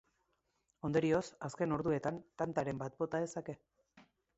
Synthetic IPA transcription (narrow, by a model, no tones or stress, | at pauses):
o̞nd̪oɾio̞saske̞no̞ɾðue̞t̪ant̪ant̪aɾe̞mbat̪̚bo̞t̪aðe̞sake̞